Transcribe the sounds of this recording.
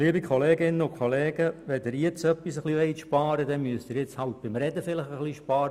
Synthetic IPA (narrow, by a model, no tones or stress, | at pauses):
liəbikχɔleːɡɪnːəʊkχɔleːɡ̥əʋɛd̪əɾjɪt͡sœpːisəχliʋɛɪtʃpɑːɾəd̪ɛnmyəst̪ɪɾjɪt͡shɑlt̪̚b̥ɪmɾɛd̪əfɪləχəχliʃpɑːɾə